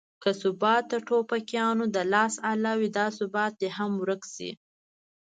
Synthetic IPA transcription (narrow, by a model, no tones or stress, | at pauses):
kəsʊbɑt̪̚d̪əʈʰopakjɑnod̪əlɑsalɑwid̪ɑsʊbɑt̪̚d̪eɦamwɾəksḭ